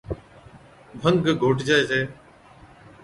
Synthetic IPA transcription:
bʱəŋɡɡʱoːʈd͡ʒaːeːseː

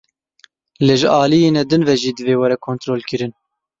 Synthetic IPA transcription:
leːʒɨʔɑːlijeːnɛd̪ɨnvɛʒiːd̪ɨveːwɛɾɛkʰont̪ɾoːlkɨɾɨn

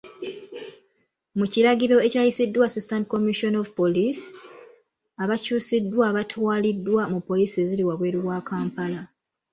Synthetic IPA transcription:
muciɾaɡiɾo̞e̞caːjisidːwaːsistantiko̞miʃo̞no̞vupo̞lis | aβacuːsidːwaβatʰwaːlidːwamupːo̞liːsie̞ziliwaβwe̞ːɾuwaːkaːmpala

